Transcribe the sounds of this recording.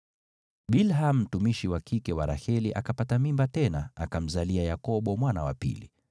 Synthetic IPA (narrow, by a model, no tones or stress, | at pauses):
ɓilɦam̩ːtumiʃiwakʰikɛwaɾa̰hɛliʔakapatamimbatɛnaa̰kam̩zaliajakɔɓɔmwanawa̰pḭli